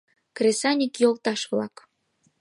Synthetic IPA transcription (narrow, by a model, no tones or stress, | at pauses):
krʲesɑnʲikjolt̪ɑʃβlɑ̰k